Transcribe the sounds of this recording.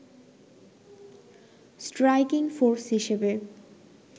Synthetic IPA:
sʈɾajkiŋfoɾsɦiʃebe

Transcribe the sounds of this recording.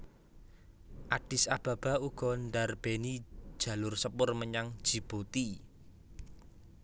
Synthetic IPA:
ʔaɖ̥ɪsab̥a̤b̥a̤uɡ̥ɔ̤nɖarb̥eni̥ʒ̥a̤lʊrsəpʊrməɲaŋd̥ʒ̥i̤b̥ot̪i

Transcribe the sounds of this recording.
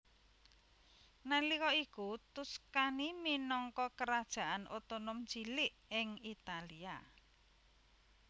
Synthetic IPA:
nalikɔikut̪uskaniminɔŋkɔkəɾad̥ʒ̥a̤ʔanʔot̪onʊmd͡ʒilɪʔɪŋit̪alia

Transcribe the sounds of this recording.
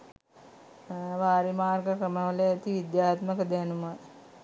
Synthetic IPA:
ʋaːɾimaːrɡəkɾəməʋəleɛt̪iʋid̪jaːt̪məkəd̪ænumə

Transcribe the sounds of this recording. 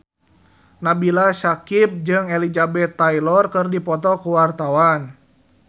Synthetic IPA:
nabilasakip̚d͡ʒɨŋelid͡ʒabɛt̪ːajlɔrkɨrdipɔt̪ɔkuwart̪awan

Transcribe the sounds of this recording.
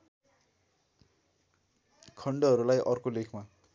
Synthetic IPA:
kʰʌɳɖʌʌɾulajʔʌrkolekʰma

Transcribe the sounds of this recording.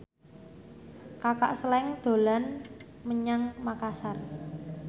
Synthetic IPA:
kaka̰ʔsəlɛŋd̪̥o̤lan | məɲaŋmakasar

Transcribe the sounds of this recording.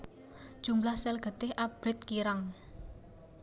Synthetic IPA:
d̥ʒ̥ṳmlahsɛlɡ̥ə̤t̪ɪhʔab̥ɾɪt̪̚kiɾaŋ

